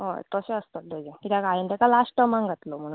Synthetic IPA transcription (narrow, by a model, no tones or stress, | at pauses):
ɦo̰t̪əseəst̪ət̪̚d̪əd͡ʑekit̪jakajent̪ɛkalasʈəmaŋɡət̪lom̤əɽ